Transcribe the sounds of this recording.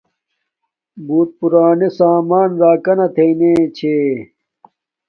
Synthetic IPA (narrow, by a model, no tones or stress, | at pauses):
buːt̪̚puɾaːnesaːmaːnɾaːkɐnɐt̪ʰeinẽːt͡ɕʰeː